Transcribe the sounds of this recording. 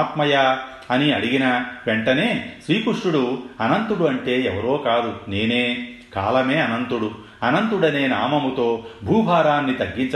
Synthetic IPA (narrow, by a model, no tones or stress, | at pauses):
t̪mɐja | ɐniɐɽiɡinɐʋeɳʈɐne̞ːsʋiːkuʂʈuɽuɐnɐnt̪uɽuɐɳʈe̞ːɛʋɐɾo̞ːkaːd̪une̞ːneː | ka̰ːlɐme̞ːɐnɐnt̪uɽu | ɐnɐnt̪uɽɐneːnaːmɐmut̪o̞ːbʱuːbʱaːɾaːnːit̪ɐɡːiɲt͡ʃɐ